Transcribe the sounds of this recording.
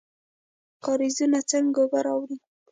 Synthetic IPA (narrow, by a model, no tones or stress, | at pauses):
kɑɾizunat͡saŋɡobaɾɑwɾi